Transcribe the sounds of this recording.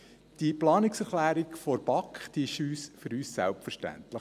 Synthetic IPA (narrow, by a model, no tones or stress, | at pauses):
d̥iplɑːnɪksɛɾχlæːɾikfɔɾb̥ɑkχd̥̪iːɪʃyːsfɵɾyːsːæ̰lpfəɾʃtæ̰nt̪ləχ